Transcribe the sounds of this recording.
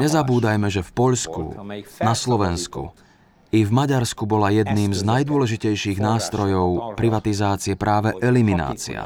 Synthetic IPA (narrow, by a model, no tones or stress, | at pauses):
ɲɛzabuːd̪ajmɛʒɛfpɔʎskṵnaslɔʋɛnskṵ | ivmaɟaɾskubɔlajɛd̪niːmznajd̪ʊɔlɛʒicɛjʃiːɣnaːst̪ɾɔjɔʊpɾiʋat̪izaːt͡siɛpɾaːʋɛʔɛlimina̰ːt͡sḭa̰